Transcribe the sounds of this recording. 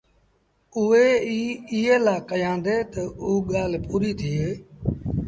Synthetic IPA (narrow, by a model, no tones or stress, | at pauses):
ʊeːiːɪːeːlaːkəjãːnd̪eːt̪əuːɠaːlpuːɾiːt̪ʰɪeː